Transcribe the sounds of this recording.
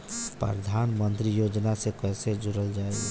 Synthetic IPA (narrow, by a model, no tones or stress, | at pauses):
pɾə̰d̪ʱanmənt̪ɾijod͡ʒnasekɛsed͡ʒʊɾəld͡ʒaːe